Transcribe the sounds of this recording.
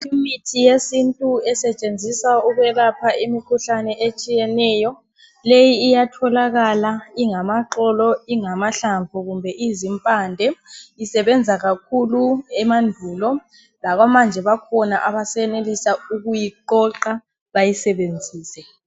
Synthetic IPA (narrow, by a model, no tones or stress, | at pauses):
umitʰijesintʼuɛsɛt͡ʃʼend͡zʱisauɣwɛlapʰaimikʰuɬanɛʔet͡ʃʼijɛnɛːjɔ | lejiːjatʰɔlaɣalaiŋamaǁɔlɔiŋamaɬaɱvʱɔɣumbʱɛʔizimpʼandʱɛisɛβɛnd͡zʱaɣakʰuluɛmandʱuːlɔ | laɣwamand͡ʒʱɛβakʰɔnaʔaβasɛnelisauɣujiǃɔǃa | βajisɛβend͡zʱiːsɛ